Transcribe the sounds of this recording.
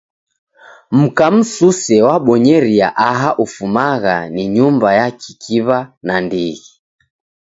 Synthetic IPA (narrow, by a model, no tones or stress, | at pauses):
m̩kam̩susɛwaɓɔɲɛɾiaʔaɦaʔufumaɣaniɲumbajakʰikʰiβanandiɣi